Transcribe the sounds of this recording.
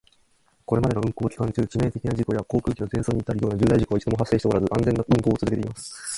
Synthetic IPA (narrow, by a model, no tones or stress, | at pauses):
ko̞ɾe̞mad̪e̞noɯ̟̃ŋkoːkʲi̥kãɲt͡ɕɨːt͡ɕime̞ːt̪e̞kʲinaʑiko̞jako̞ːkɯ̟ːkʲino̞tẽ̞ɰso̞ːɲ̟it̪ːaɾɯ̟joːnad͡ʑɨːd̪aiʑiko̞ait͡ɕid̪omoɦasːe̞ːɕit̪koɾazɨʔãnd͡zẽ̞nːaɯ̟̃ŋko̞ːt͡sɨɾɯ̟ket̪eimasɨ̥